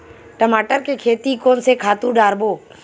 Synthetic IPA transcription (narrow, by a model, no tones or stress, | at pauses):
ʈəmaːʈəɾkekʰeːt̪ikoːnsekʰaːt̪ũɖaːɾboː